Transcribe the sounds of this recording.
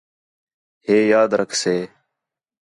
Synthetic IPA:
heːjaːd̪ɾʔəkʰseː

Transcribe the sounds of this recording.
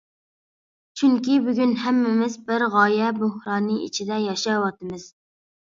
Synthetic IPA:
t͡ʃʰyŋkʲibyɡʲynɦɛmːɪmɪzbɪɾʁɑːjɛbohɾɑːnɨʔḭt͡ʃʰid̪ɛjɑʃɑwɑt̪ɨmɨz̥

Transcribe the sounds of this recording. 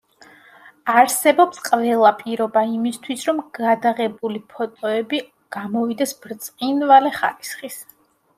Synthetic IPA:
aɾsɛbɔpsqʼvɛlˠapʼiɾɔbaimist̪ʰwisɾɔmɡ̥ad̪aʁɛbulipʰɔt̪ʼɔɛbi | ɡ̥amɔvid̪ɛsbɾt̪sʼqʼinvalɛχa̰ɾisχis

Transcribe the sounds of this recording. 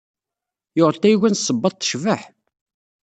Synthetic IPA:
joʁəlt̪æjwænsˤːəbːɑt̪ˤθə̥ʃvəħ

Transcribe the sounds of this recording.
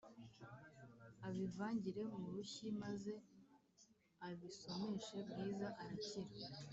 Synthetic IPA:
aβivaːɲɟiɾe̞muɾuçimaze̞ | aβiso̞miʃe̞bɡiːzaʔaɾaciɾa

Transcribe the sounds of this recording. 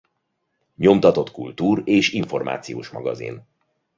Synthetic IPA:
ɲo̞mt̪ɒt̪o̞t̪kult̪uːreːʃiɱfo̞rmʔa̰ːt̪sijo̰ːʃmɒɡɒzḭn

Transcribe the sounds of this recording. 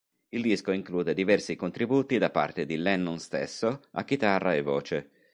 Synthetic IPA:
ild̪iskoiŋkluːd̪ed̪ivɛrsikont̪ɾibuːt̪id̪apːa̰rt̪ed̪ilɛnːunst̪ḛsːoa̰k̟ːit̪arːaevːɔːt͡ʃe

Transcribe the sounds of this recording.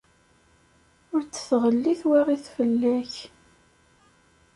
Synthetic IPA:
ʊɾt͡sːə̥θʁəlːiθwæʁiθfəlːæç

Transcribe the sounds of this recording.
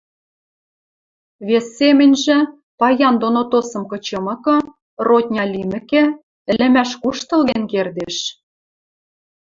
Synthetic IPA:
βesːemɘ̆nʲʒĕ | pɑjɑnd̪onot̪osɤ̆mkɤ̆t͡ɕɤ̆mɤ̆kɤ̆ | rot̪ʲnʲɑlʲimɘ̆kĕ | ɘ̆lɘ̆mæʃkuʃt̪ɤ̆lɣenkerd̪eʃ

